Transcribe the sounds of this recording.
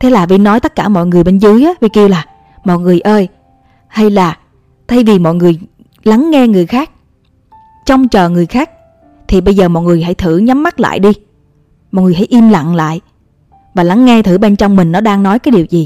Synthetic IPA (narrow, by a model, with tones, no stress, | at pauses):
t̪ʰe˨˦laː˨˩vi˧˦nɔ˨˦jt̪ə˦˥t̚kaː˧˩mɔ̰˧˨jŋɨ˨˩əjɓe˧nzɨ˨˦jʔaː˨˦vi˨˩ki˧əwlaː˨˩ | mɔ̰˨t̚ŋɨ˨˩əjʔəː˧j | ha˧jlaː˨˩ | t̪ʰa˧jvi˨˩mɔ̰˧˨jŋɨ˨˩əj | la˨˦ŋːɛ˧ŋɨ˨˩əjxaː˦˥k̚ | t͡ɕɔ˧wŋ͡mt͡ɕəː˨˩ŋɨ˨˩əjxaː˦˥k̚ | t̪ʰi˨˩ɓə˧jzəː˨˩mɔ̰˧˨t̚ŋɨ˨˩əjɦa̰˧˥jt̪ʰɨ̰˧˩ɲa˨˦mːa˦˥t̚la̰ː˧˨jɗi˧ | mɔ̰˨t̚ŋɨ˨˩ə˩ɦa̰˧˩jʔi˧mla̰˧˨ŋla̰ː˧˨j | vaː˨˩la˨˦ŋːɛ˧t̪ʰɨ˧˩ɓe˧nt͡ɕɔ˧wŋ͡mmï˨˩ŋ̟nɔ˨˦ɗaː˧ŋnɔ˨˦jkaː˨˦jɗi˨˩wzi˨˩